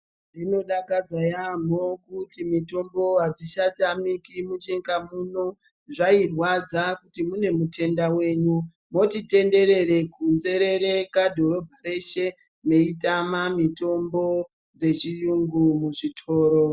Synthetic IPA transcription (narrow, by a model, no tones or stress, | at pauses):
ʐino̞ɗakad͡zajamokutimito̞mbo̞ɦatiʃatamikimut͡ʃeŋɡamuno | ʐairwad͡zakutimune̞mutʰe̞ndawe̞ːɲu | mo̞tite̞nde̞ɾe̞ɾe̞kunze̞ɾe̞ɾe̞kadʱo̞ɾo̞bʱareʃe̞ | me̞itamamito̞mbo̞ | d͡ze̞t͡ʃijuŋɡumuʐitʰo̞ːɾo